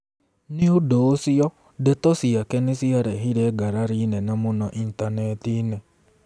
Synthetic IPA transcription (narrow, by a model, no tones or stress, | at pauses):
niodoːsijɔ | detɔsiakɛnesiaɾɛɦiɾɛːɡaɾaɾinɛnamonɔʔintanɛtinɛ